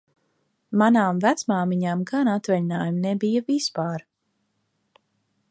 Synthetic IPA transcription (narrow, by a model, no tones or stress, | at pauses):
manaːmvæt̪smaːmiɲaːmɡanat̪vɛʎinaːjumnebijavispaːɾ